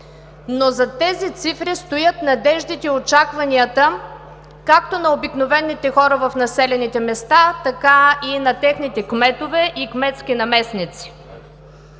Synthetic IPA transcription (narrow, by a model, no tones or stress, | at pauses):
nozɐt̪ɛzit̪sifɾist̪ojət̪nɐd̪ɛʒd̪it̪ɛiot͡ʃakvɐniət̪ə | kakt̪onɐobiknovɛnːit̪ɛxɔɾəvɐfnɐsɛlʲɛnit̪ɛmɛst̪at̪ɐkainɐt̪ɛxnit̪ɛkmɛt̪ovɛʔikmɛt̪skʲinɐmɛsnit̪si̥